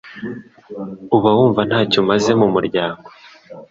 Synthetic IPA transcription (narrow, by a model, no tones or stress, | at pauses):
uβawuːɱvan̥haːcomaze̞mumuɾɟaːŋɡo